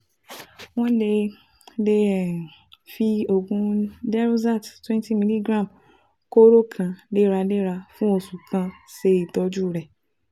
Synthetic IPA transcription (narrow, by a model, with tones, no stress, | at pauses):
wɔ̃˦le˧ | de˦˨fi˧o˨ɡũ˧dɛ˦ɾu˦za˦˨ttwɛ̃˦nti˦mi˦li˦ɡɾã˦˨m | ko˦ɾo˦kʰã˧de˦ɾa˧de˦ɾa˧fũ˦o˨su˨kʰã˧se˧i˨tɔ˧d͡ʒu˦˨ɾɛ˨